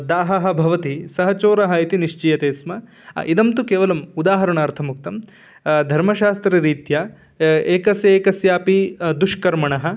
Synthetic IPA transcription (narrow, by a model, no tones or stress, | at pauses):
d̪aːɦɐɦɐ̆bʱɐʋɐt̪isɐɦɐt͡ʃoːɾɐɦɐit̪iniʂt͡ʃijɐt̪eːsmɐ | id̪ɐmt̪ukeːʋɐlɐmud̪aːɦɐɾɐɳɐːɾt̪ʰɐmuk̚t̪ɐm | d̪ʱɐɾmɐʃaːst̪ɾɐɾiːt̪jɐ | eːkɐsjɐeːkɐsjaːpid̪uʂkɐɾmɐɳɐɦɐ̆